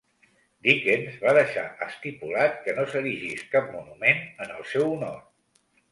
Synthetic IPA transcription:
d̪ikenzβaðəʃa̰ʔəst̪ipulat̪̚kənosəɾiʒiskap̚munumenənəlˠsɛwunor

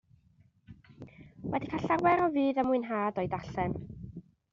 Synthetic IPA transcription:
wɛdikʰaɬawɛɾɔviːðəmʊɨnɦaːdɔɨdaɬɛm

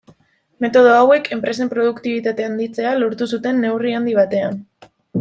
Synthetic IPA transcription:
me̞t̪o̞ð̞o̞awe̞kʰe̞mpɾe̞se̞mpɾo̞ð̞ukt̪iβ̞it̪at̪e̞and̪it͡se̞alo̞ɾt̪usut̪e̞nːe̞wriand̪iβ̞at̪e̞an

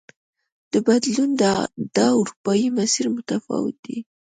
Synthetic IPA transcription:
d̪̥əbad̪lund̪əd̪̥ɑʊɾupɑjimasiɾmʊt̪afɑ̰wɪ̰t̪̚d̪i

